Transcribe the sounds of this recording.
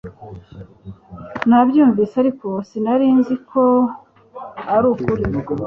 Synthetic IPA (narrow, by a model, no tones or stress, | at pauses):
nabjuːɱviːsaɾiko̞sinaɾiːnzikʰo | aɾuːkuɾi